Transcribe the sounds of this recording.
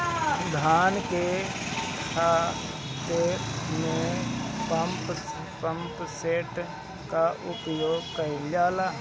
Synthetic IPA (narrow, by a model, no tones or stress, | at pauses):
d̪ʱaːnkekʰaː | t̪emẽpəmp | pə̃mpseːʈ | kaʔʊpjoːɡkəid͡ʒaːlaː